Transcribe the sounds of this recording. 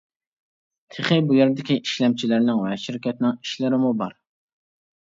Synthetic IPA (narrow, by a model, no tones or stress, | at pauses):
t̪ʰeχɪbujɛɾd̪ɪkʲiʔiʃlɛmt͡ʃʰilɪɾnɪŋvɛʃiɾkʲʰɛt̪̚nɪŋi̥ʃlɪɾɪmubɑ̰ɾ